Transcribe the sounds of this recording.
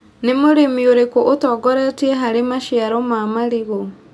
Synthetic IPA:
nemoɾemioɾekoʔotɔːɡɔɾɛtiɛɦaɾemaʃiaɾɔmamaɾiɣo

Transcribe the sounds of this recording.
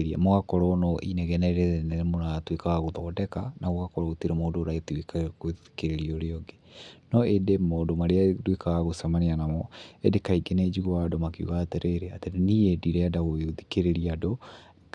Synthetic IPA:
ɾia̰moɣakɔɾɔnɔʔinɛɣɛnɛɾenemonatwekaɣaɣoðɔdɛkanʔaɣoɣakɔɾɔotiɾemoːdoɾaiatwekakoikeɾeɾiɔɾeɔɡenɔedemodomaɾeadwekaɣaɣosamaneanamɔedekaiɡenɛd͡ʒiɣoadomakeṵɣateɾeɾeateɾeniediɾɛadaɣoðikeɾeɾiado

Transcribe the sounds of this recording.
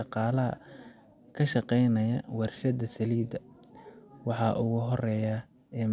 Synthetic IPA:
ɑqɑːlɐɦɐ̰ | kʰɐʃɑqɛjnɐjɐwɑrʃɐd̪ɐsɐliːd̪ɐ | wɑħɑːʔʊɣʊɦɔrɛːja | ɛːm

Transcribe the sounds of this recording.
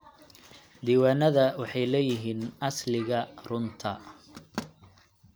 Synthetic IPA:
d̪iːwaːnɐðɐwɑħɑjlɛːjɪɦiːnʔɐslɪɣɐrʊnt̪ʰɐ

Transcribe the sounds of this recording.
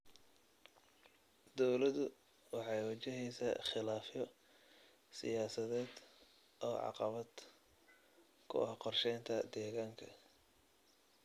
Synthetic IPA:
d̪ɔwlɐðʊ | wɑħɑjwɐt͡ʃɪɦɛjsɐ̰χɪlaːfjɔ | sɪ̰jaːsɐðɛːd̪ | ʔɔːʕɑ̰qɑβɐd̪̥ | kʰʊ̰ʔɐhqɔrʃɛjnt̪ʰɐd̪ɛːɣaːŋkʰɐ

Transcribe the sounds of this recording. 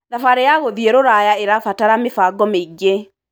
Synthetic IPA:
nafaɾejaɣoðieɾoɾajaeɾafataɾamefaɡɔmeiɡe

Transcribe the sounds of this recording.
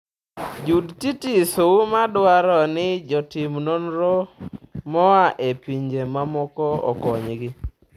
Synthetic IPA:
d͡ʒudtitisomadwaɾɔnɪd͡ʒɔtimnonɾɔmɔaʔepiɲd͡ʒemamɔkɔɔ̰kɔɲɡɪ

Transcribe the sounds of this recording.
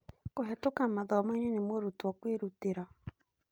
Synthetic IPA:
koɦɛtokamaðɔmaiɲenemoɾutwɔkweɾuteɾɔ

